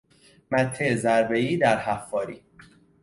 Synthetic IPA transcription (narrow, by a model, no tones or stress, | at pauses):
mæt̪ʰːezæɾbeiːd̪æɾhæfːɒːɾiː